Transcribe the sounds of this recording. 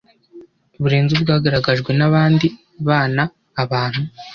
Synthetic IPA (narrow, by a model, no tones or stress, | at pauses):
βuɾe̞ːnzubɡaːɡaɾaɡaʒɡwe̞naβaːndi | βaːnaː | βaːn̥hu